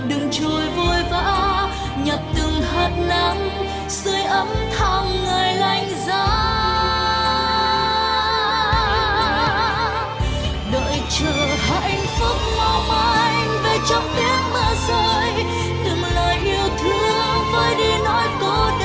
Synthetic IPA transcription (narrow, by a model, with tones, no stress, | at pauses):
ɗɨ˨˩ŋt͡ɕo˨˩jvo˧jvaː˧˥ | ɲə˨˩t̚t̪ɨ˨˩ŋɦəː˨˩t̚na˧ŋ | sɨ˧əjʔə˧˥mt̪ʰa˧˩ŋ͡mŋəː˨˩jla˧˩jŋ̟zaː˧˥ | ɗəː˧˨jt͡ɕəː˧˨˩ha̰˧˨jŋ̟fʊ˦˥k͡p̚ma˧wmaː˧˨j | ve˨˩t͡ɕɔ˧˦ŋ͡m̚ti˦˥ət̚maː˧˦zo˧j | t̪i˨˩mləː˨˩jʔi˧˩əwt̪ʰi˧˦əvəː˧˦jɗi˧nɔ˧˦jko˧˦ɗ